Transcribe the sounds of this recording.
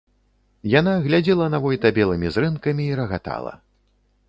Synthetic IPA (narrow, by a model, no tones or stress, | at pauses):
janaɣlʲad͡zʲɛlˠɐnavɔjt̪ɐbʲɛlˠɨmʲizrɨnkɐmʲiːɾɐɣat̪a̰lˠɐ̰